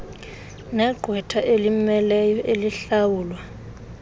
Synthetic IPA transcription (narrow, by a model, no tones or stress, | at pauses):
nɛɡ͡ǃʱwɛtʰaʔelimɛlɛjɔʔeliɬawuːlwa